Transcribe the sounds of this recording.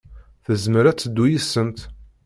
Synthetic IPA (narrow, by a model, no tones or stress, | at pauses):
θəzməɾæt͡sːəd̪ːujisːənt̪